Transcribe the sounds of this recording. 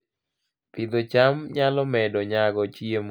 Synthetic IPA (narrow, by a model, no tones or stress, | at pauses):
pɪd̪ɔt͡ʃamɲalɔmɛdɔɲaɡɔt͡ʃjem